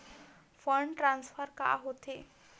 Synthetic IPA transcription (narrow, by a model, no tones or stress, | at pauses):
fəɳʈɾãnsfəɾka̰ɦot̪e